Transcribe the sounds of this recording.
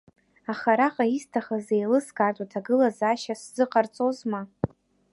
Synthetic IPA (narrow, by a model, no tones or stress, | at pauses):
aχaɾaqʼaistʰaχazejlɨskartʷʼatʰaɡɨlazaʃasz̥ɨqʼart͡sʼozma